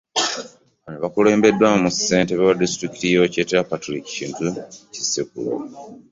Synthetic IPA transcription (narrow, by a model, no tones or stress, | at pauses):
βanoβakule̞ːmbe̞dːwamuse̞ːnteβewadistɾiki̥tijo̞cetapatɾiki̥ciːntucisikulo̰